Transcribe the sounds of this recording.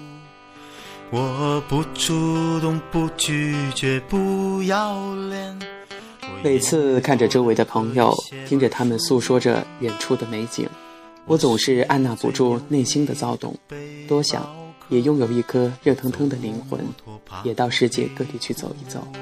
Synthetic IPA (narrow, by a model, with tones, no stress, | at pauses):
wɔ˨˩pu˧˥ʈ͡ʂʰu˧t̪ʊ˥˧ŋpu˧t͡ɕy˥˧t͡ɕɥɛ˧˥pu˥˧jɑ˥˧ʊljɛ˥˧n | me˨˩ɪt͡sʰɹ̩˥˧kʰa˥˩nʈ͡ʂə˩ʈ͡ʂo˥ʊwe˧˥ɪd̪ə˧pʰɤ˧˥ŋjo̰˨˧ʊt̪ʰi˥ŋʈ͡ʂə˨t̪ʰa˥mə˨nsu˥˩ʂwɔ˥ʈ͡ʂə̰˨˩ɻɛ˨˩nʈ͡ʂʰu˥˩d̪ə˩me˧˥ɪt͡ɕḭ˨˩ŋ | wɔ˧˥t͡sʊ˨˩ŋʂɻ̩˥˧a˥˧nna˥˩pṵ˨˩ʈ͡ʂu˥˧ne˥˩ɪɕi˥nd̪ə˨t͡sɑ˥˩ʊt̪ʊ̰˨˩˦ŋt̪wɔ˥ɕjɑ̰˨˩˦ŋ | jɛ˨˩jʊ˥˩ŋjo˨˩ʊi˥˩kʰɤ˥ɻɤ˥˩t̪ʰɤ˧˥ŋt̪ʰɤ˥ŋd̪ə˨li˧˥ŋxwə̰˧˥njɛ˨˩t̪ɑ˥˧ʊʂɻ̩˥˧t͡ɕjɛ̰˥˧kɤ˥˧t̪i˨˩t͡ɕʰy˥˩t͡so̰˨˩ʊi˧˥t͡so̰˨˩˦ʊ